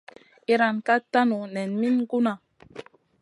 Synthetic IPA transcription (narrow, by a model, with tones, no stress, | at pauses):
i˦ɾa˨nka˦ta˦nu˨nɛ˨nmi˦nɡu˦na˨